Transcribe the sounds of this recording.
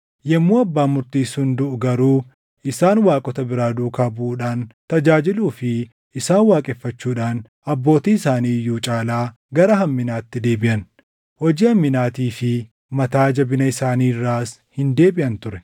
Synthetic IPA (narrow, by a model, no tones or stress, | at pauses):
jɛmːuːɐbːaːmʊɾt̪iːshʊnd̪ʊʔʊɡɐɾuː | ɪsaːnwaːkʼɔt̪ɐbɪɾaːd̪uːkaːbʊʔuːᶑaːnt̪ɐd͡ʒaːd͡ʒɪluːfɪ | ɪsaːnwaːkʼɛfːɐt͡ʃːuːᶑaːn | ɐbːo̞ːt̪iːɪsaːniːjːuːt͡ʃʼaːlaː | ɡɐɾɐɦɐmːɪnaːt̪ːɪd̪e̞ːbɪʔɐn | hɔd͡ʒiːhɐmːɪnaːt̪iːfɪ | mɐt̪aːd͡ʒɐbɪnɐɪsaːniːrːaːs | hɪnd̪e̞ːbɪʔɐnt̪ʊɾɛ